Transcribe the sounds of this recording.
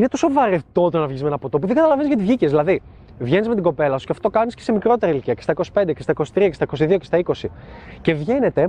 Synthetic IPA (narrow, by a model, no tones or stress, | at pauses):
inet̪o̞sovɐɾet̪o̞t̪onɐvʝizmenɐpo̞t̪op̬uðeɡɐt̪ɐlɐvenizʝɐt̪izʝicezðilɐði | vʝenizme̞t̪iɡo̞pe̞lɐsusceɐft̪o̞kɐniscesemikɾo̞t̪e̞ɾɐiliciɐcest̪ɐiko̞si̥pend̪ece̞st̪ɐiko̞si̥t̪ɾiɐce̞st̪ɐikos̬iðio̞cest̪ɐiko̞sice̞vʝe̞ne̞t̪e̞